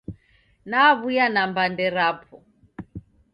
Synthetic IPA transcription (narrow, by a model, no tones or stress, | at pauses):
naβujanambandɛɾaːpʰɔ